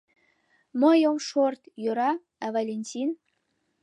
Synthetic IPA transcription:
məjomʃort̪jøɾɑ | ɑvalʲenʲtʲin

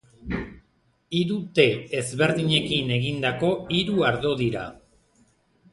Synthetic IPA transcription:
iɾut̪e̞ezβe̞ɾðiɲe̞kine̞ɣind̪ako̞iɾuaɾðo̞ðiɾa̰

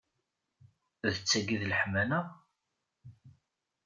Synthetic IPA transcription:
ðət͡sːæɡiðləħmænəʁ

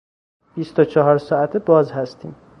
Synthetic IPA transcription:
b̥ist̪ot͡ʃʰɒɦɒːɾsɒːæt̪ʰebɒːzhæst̪ʰiːm

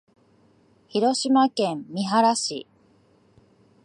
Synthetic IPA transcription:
çiɾo̞ɕimakẽ̞mmʲiɦaɾaɕḭ

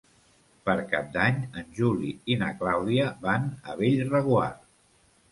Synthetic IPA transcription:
pəɾka̰p̚d̪aɲənʲʒuliinəklawðiəβanə̰βeʎrəɣula̰r

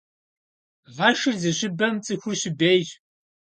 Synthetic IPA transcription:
vaːʃɨrzɨɕɪbɐmt͡sʼɨxʷʊrɕɪbejʑ

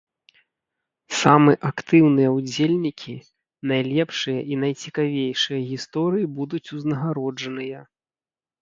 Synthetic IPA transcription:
samɨʔakt̪ɨwnɨjɐud͡zʲelʲnʲikʲʰi | najlʲɛpʂɨjɐʔin̪ɐjt͡sʲikavʲejʂɨjɐɣʲist̪ɔɾɨjibud̪ut͡sʲuznɐɣaɾɔd͡ʐɐnɨjɐ

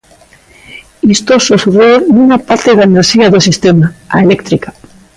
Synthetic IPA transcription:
ist̪ososuɾeɾnuŋapaɾt̪eðaeneɾʃiaðosist̪emaa̰elekt̪ɾikḁ

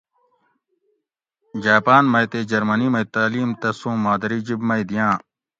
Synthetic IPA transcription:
d͡ʒaːpaːnmɐjt̪eːd͡ʒɐɾmɐniːmɐjt̪aːliːmt̪ɐsũːmaːd̪ɐɾiːd͡ʒibmɐjd̪ijãː

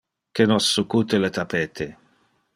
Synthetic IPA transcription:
kenɔsːukut̪elet̪apeːt̪ʰe

